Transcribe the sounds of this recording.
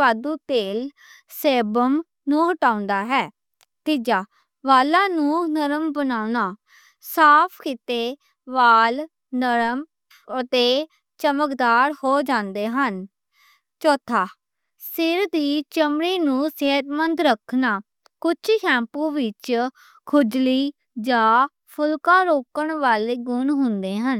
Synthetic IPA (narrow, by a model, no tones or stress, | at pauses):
aːd̪ũːt̪eːl | seːbəm | nũːɦəʈaːʊ̃nd̪aːɦɛː | t̪ɪd͡ʒaː | ʋaːlãːnũːnəɾəmbənaːʊnaː | saːpʰkɪt̪eː | ʋaːl | nəɾəm | ət̪eː | t͡ʃəməkd̪aːɾhoːd͡ʒãːnd̪eːɦən | t͡ʃɔːt̪ʰaː | sɪɾd̪iːt͡ʃəmɽiːnũːseɦət̪mənd̪ɾəkʰnaː | kʊt͡ʃʰkʰɛ̃ːmpũːʋɪt͡ʃ | kʰʊd͡ʒliː | d͡ʒãː | pʰʊlkãːɾoːkəɳʋaːleːɡʊnɦʊ̃nd̪eːɦən